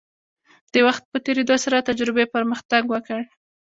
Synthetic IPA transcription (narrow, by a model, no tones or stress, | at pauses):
d̪̥əwaxt̪̚pət̪eɾed̪osaɾat̪ad͡ʒɾɪbepəɾməxt̪aɡwəkəɽ